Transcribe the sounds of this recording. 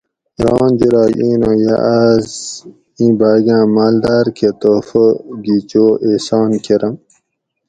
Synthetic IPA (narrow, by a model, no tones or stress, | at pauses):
ɾɑːnd͡ʑiɾɑːɡiːnõːja̰ʔaz | ĩːbaːɡãːmaːld̪aːɾkʰet̪oːfoɡit͡ɕoːʔeːsɑːnkʰeɾɐm